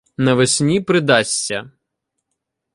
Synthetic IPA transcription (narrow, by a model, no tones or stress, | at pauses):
nɐʋesʲnʲipɾɪd̪ɑsʲt͡sʲːɐ